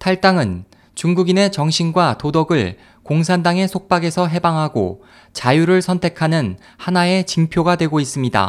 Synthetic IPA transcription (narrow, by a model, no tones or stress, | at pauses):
tʰaɭt͈aŋɯn | t͡ɕuŋɡuɡine̞t͡ɕʌŋɕʰinɡwatodʌɡɯɭ | koŋs̬ʰandaŋe̞sʰok̚p͈aɡe̞sʰʌɦe̞baŋɦaɡo̰ | t͡ɕajuɾɯɭsʰʌntʰe̞kʰanɯn | hanae̞t͡ɕiŋpʰjoɡadwe̞ɡois͈ɯmɲida̰